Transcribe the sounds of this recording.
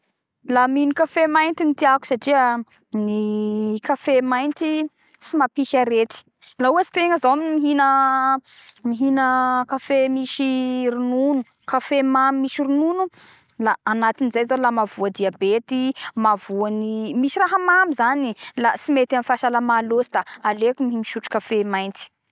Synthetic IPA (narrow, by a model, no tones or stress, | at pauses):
laminikafemajnt̪init̪iaku̥saʈ͡ʂiə | nikafemajnt̪i | simapikʲəɾet̪i̥ | lauət͡si̥t̪eŋəzawammiɦinə | miɦinəkafemiʃirununu | kafemamimiʃiɾununu | laːnat̪inizajzalamavuəd̪iabet̪imavuənimiʃiɾaɦəmamizanilasimet̪amifaʃalamalosid̪aalekʲumiɦimiʃuʈ͡ʂu̥kafemajnt̪i̥